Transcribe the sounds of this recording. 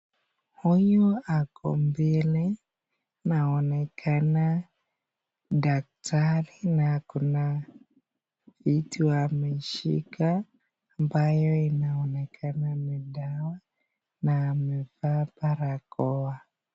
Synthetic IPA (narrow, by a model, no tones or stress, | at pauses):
hujuakʰɔ̰mbilɛ | naɔnɛkʰana | dak̚taɾinakuna | vitiwamɛʃḭkaː | mbajɔinaɔnɛkʰanamidawa | naːmɛvapaɾakɔa